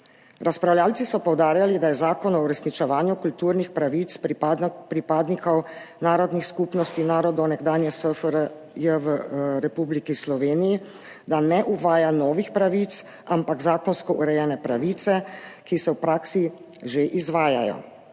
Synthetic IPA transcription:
ɾaspɾawljaːlt̪sisɔpɔwd̪aːɾjalid̪ajɛzaːkɔnɔuɾɛsnit͡ʃɛʋaːnjukult̪uɾnixpɾaʋit̪sppɾipaːd̪nikɔwnaːɾɔd̪nixskuːpnɔst̪inaːɾɔd̪ɔwnɛɡd̪aːnjɛsəfɾ | jəʋɾɛpublikislɔʋeːniji | d̪anɛʔuʋaːjanɔːʋixpɾaʋit̪s | ampaɡzaːkɔnskɔʔuɾɛjɛːnɛpɾaʋiːt̪sɛkisɛwpɾaːksi | ʒeʔizʋaːjajɔ̰

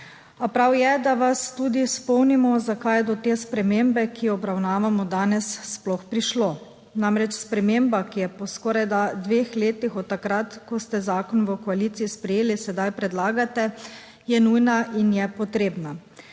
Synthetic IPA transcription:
apɾawjɛd̪aʋast̪ud̪ispɔwnimɔzakajd̪ɔt̪espɾɛmeːmbɛkʰiɔbɾawnaːʋamɔd̪aːnɛsːplɔxpɾiʃloː | namɾɛt͡ʃspɾɛmembakijɛpɔskɔɾajd̪ad̪ʋeːxleːt̪ixɔt̪ːakɾat̪kɔst̪ɛzaːkɔnʋəkɔaliːt̪siispɾɛjeːlisɛd̪ajpɾɛd̪laːɡat̪ɛ | jɛnujnaʔinjɛpɔt̪ɾeːbna

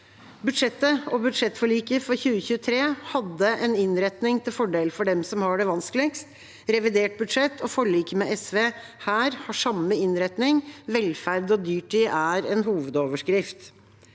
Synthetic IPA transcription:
bʉd̪ʂɛt̪ːəɔbʉd̪ʂɛt̪ːfɔɭiːkəfɔɾçʉːəçʉːət̪ʰɾeːhɑd̪ːəʔɛnɪnɾɛt̪nɪŋt̪ʰɪlfɔɖeːləfɔɖɛmsɔmhɑɖɛʋɑnsklɪkst̪ | ɾɛʋɪd̪eːʈ̚bʉd̪ʂɛt̪ːʰɔfɔɭiːkəmɛʔɛsʋeːhæːɾhɑʂɑmːəɪnɾɛt̪nɪŋʋɛlfæɾd̪ɔd̪yːʈiʔæɾɛnɦuːʋəd̪oːʋəʂkɾɪft̪

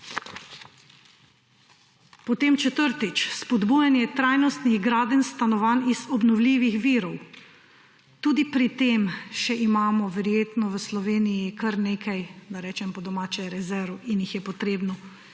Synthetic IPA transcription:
pɔt̪eːmt͡ʃɛt̪əɾt̪it͡ʃspɔd̪bujanjɛt̪ɾaːjnɔst̪niɣɡɾaːd̪ənst̪anɔʋanizɔbnɔwliːʋixʋiːɾɔw | t̪uːd̪ipɾit̪eːmʃɛʔimaːmɔʋɛɾjeːt̪nɔʋəslɔʋeːnijikəɾneːkajd̪aɾɛːt͡ʃɛmpɔd̪ɔmaːt͡ʃɛɾɛzɛɾuinjixjɛpɔt̪ɾeːbnɔ

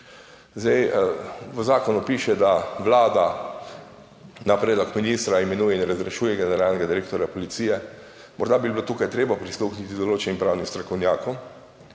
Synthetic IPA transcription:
zd̪ɛj | ʋəzaːkɔnupiːʃɛd̪aʋlaːd̪a | napɾeːd̪lɔkminist̪ɾaɛmɛnuːjɛinɾazɾɛʃuːjɛɡɛnɛɾalnɛɡad̪iɾeːk̚t̪ɔɾjapɔlit̪siːjɛ | mɔɾd̪abiblot̪uːkajt̪ɾeːbapɾisluxnit̪id̪ɔloːt͡ʃɛnimpɾawnist̪ɾɔkɔwnjaːkɔm

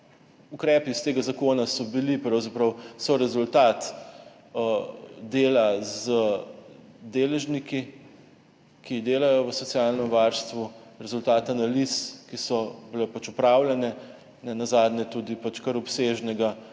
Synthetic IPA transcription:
ukɾɛːpist̪eːɡazakoːnasɔbilipɾɐwzapɾɐwsɔɾɛzult̪aːt̪ | d̪eːlazə | d̪eːlɛʒniki | kʰid̪eːlajɔʋəsɔt̪sijalnɛmʋaɾst̪ʋuɾɛzult̪aːt̪analiskisɔbilɛpat͡ʃupɾaːwlɛnɛ | nɛnazaːd̪nɛt̪ud̪ipat͡ʃkɐɾɔpseʒnɛɡa

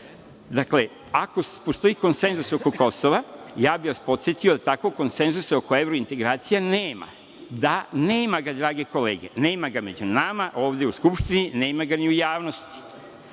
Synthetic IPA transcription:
d̪akle̞ | ako̞spo̞st̪o̞iko̞nse̞nzuso̞ko̞ko̞so̞ʋajaːbiʋaspo̞t̪sjet̪io̞d̪at̪akoko̞nse̞nzuseo̞ko̞e̞ʋɾo̞int̪e̞ɡɾaːt̪sijaneːma̰ | d̪aneːmaɡad̪ɾaːɡe̞ko̞lḛːɡe̞̰ne̞ːmaɡame̞d͡ʑunamaʔo̞ːʋd̪e̞uskupʃt̪inine̞ːmaɡaniujaːʋno̞st̪i̥

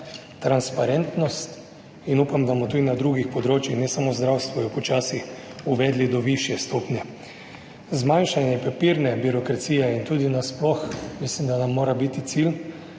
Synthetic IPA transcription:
t̪ɾanspaɾɛnt̪nɔst̪ | inuːpamd̪asmɔt̪uːd̪inad̪ɾuːɡixpɔd̪ɾoːt͡ʃjixnɛsamozd̪ɾawst̪ʋɔjɔpɔt͡ʃaːsixuʋɛːd̪lid̪ɔʋiʃjɛst̪oːpnjɛ | zmajnʃanjɛpɛpiɾnɛbiɾɔkɾat̪siːjɛint̪uːd̪inasplɔxmislimd̪anamːoːɾabit̪it̪sil

